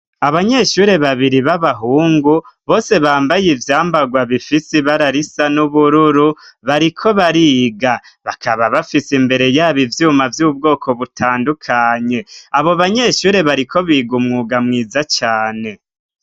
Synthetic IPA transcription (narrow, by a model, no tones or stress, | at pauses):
aβaɲe̞ʃuːɾe̞βaβiɾiβaβaɦuːŋɡuβo̞ːse̞βaːmbajivjaːmbaɡwaβifisiβaɾaɾisanuβuɾuɾuβaɾikʰo̞βaɾiːɡa | βakʰaβaβafisimbe̞ɾe̞jaːβivjuːmavjuːb̚ɡo̞ːkʰo̞βutʰaːndukʰaɲe̞aβo̞βaɲe̞ʃuːɾe̞βaɾikʰo̞βiːɡumŋuɡamŋiːzat͡ʃaːne̞